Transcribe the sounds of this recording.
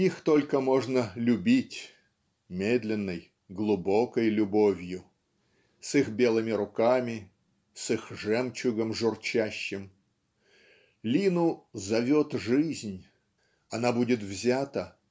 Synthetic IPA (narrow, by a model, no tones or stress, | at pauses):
ixt̪o̞lʲkəmo̞ʐnəlʲʊbʲitʲ | mʲed̪ʲlʲɪnːəj | ɡlˠʊbo̞kəjlʲʊbo̞vʲjʊ | sixbʲe̞lˠɨmʲɪɾʊkamʲɪ | sɨxʐɛmt͡ɕʊɡəmʐʊrt͡ɕæɕːɪm | lʲinʊzɐvʲot̪ʐɨzʲnʲ | ɐnabudʲɪt̪vzʲat̪ə